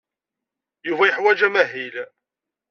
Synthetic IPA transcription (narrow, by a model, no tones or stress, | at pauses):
juvæjəħwæd͡ʒæmæɦil